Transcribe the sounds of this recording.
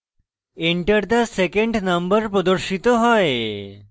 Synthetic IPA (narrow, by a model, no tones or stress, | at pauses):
eɳʈəɾd̪asekeɳɖnəmbəɾpɾɔd̪oɾʃit̪oɦɔe